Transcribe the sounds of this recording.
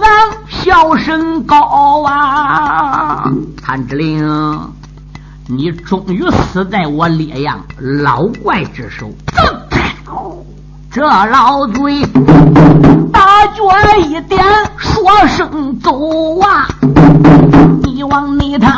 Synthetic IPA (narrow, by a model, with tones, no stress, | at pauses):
wa˧˥nɕjɑ˥˩ʊʂə˥ŋkɑ˧˩a˧ | kʰa˧˩nʈ͡ʂ̩˧li˧˩ŋ˧ | ni˧˩˥ʈ͡ʂʊ˨˩ŋy˧˥sɹ̩˧˥t͡sa˥˩ɪwɔ˧˥ljɛ˨˩jɑ̰˥˩ŋlɑ˧˥ʊkwa˥˧ɪʈ͡ʂɻ̩˥˧ʂo˧˩ʊt͡s̩˥˩p | ʈ͡ʂɤ˥˩lɑ˧˥ʊt͡swe˥ɪ | t̪a˥˧˩t͡ɕwɛ˧˥i˨˩t̪jɛ˥nʂwɔ˧˥ʂɤ˨˩ŋt͡su˧˥wa˥˩ | ni˧˩wɑ˧˥ŋni˧˩t̪ʰa˧